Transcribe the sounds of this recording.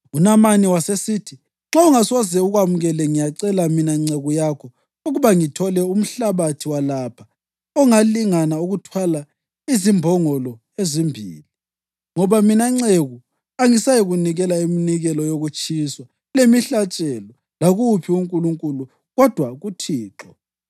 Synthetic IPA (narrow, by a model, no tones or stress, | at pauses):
unamaniwasesitʰi | ŋ͡ǁauŋasɔzɛuɣwamuɣɛlɛŋijaǀɛlaminaiŋ͡ǀeɣujakʰɔ | uɣuβaŋitʰɔlɛum̩ɬaβatʰiwalapʰḁ | ɔŋaliŋanauɣutʰwala | izimbʱɔŋɔlɔ | ezimbʱḭːli | ŋɔβaminaiŋ͡ǀeɣu | aŋisajiɣuniɣɛlaiminiɣɛlɔjoɣut͡ʃʼiswa | lemiɬat͡ʃʼɛlɔ | laɣupʰiuŋkʼuluŋkʼulu | ɣɔd̥ʱwaɣutʰiːǁɔ